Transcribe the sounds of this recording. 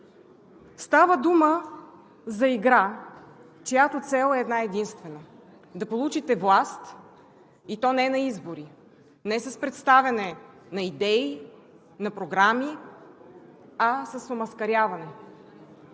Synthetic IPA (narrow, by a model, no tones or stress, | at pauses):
st̪avəd̪umə | zɐiɡɾa | t͡ʃojat̪ot̪sɛlˠɛːd̪naɛd̪inst̪vɛnə | d̪ɐpolˠut͡ʃit̪ɛvlˠast̪ | it̪ɔnɛɛnɐizboɾi | nɛsəspɾɛt̪st̪avʲɐnɛ | nɐid̪ɛi | nɐpɾoɡɾami | ɐsəsomɐskɐɾʲjavɐnɛ